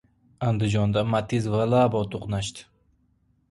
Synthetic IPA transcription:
and̪ɪd͡ʒɒnd̪amat̪ʰɪzvalˠabɒt̪ʰoqnaʃt̪ɪ̥

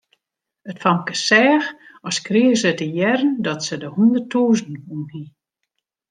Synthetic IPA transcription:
ətfɔmkəsɛːxɔskrɪsətəjɛrəndɔtsədəhundərtuːznunhi

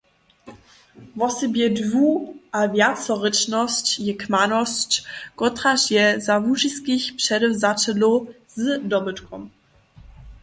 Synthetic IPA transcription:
vɔsɛbjɛdvuʔavjat͡sɔʁɪt͡ʃnɔst͡ɕjɛkmanɔst͡ɕkɔtʁasjɛzavuʃiskiçpʂɛɾɛwzat͡ʃɛlɔ | z̥dɔbɨtkʰɔm

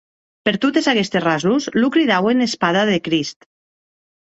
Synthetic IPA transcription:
peɾt̪ot̪ezakest̪esrazuslukɾiðawenespaðaðekɾist̪

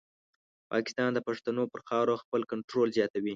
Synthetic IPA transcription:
pɑ̰kɪ̥st̪ɑnd̪əpaʂt̪anopəɾxɑɾoxpəlkaɳʈɾolzjɑt̪awi

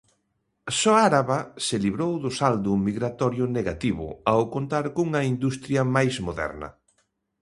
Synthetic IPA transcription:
sɔaɾaβasɪliβɾowðʊsald̪ʊmiɣɾat̪ɔɾjʊneɣat̪iβʊ̰awkont̪aɾkouŋɐind̪ust̪ɾjɐmajzmoðɛ̰ɾnɐ̰

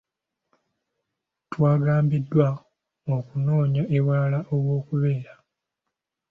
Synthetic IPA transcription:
twaːɡaːmbidːwa | okuno̞ːɲaʔewaːlaʔoβwo̞ːkuβe̞ːɾa

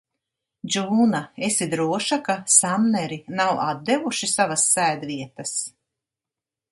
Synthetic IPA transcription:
d͡ʒuːnaesid̪ɾuɔʃakasamnɛɾinawʔad̪̚ːevuʃisavasːæːd̪viɛt̪ɐs

